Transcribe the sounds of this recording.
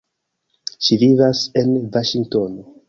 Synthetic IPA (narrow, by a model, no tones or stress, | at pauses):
ʃivivasenvaʃiŋɡto̞no